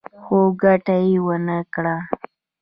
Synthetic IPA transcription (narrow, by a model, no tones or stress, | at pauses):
xoɡaʈajewənəkɽa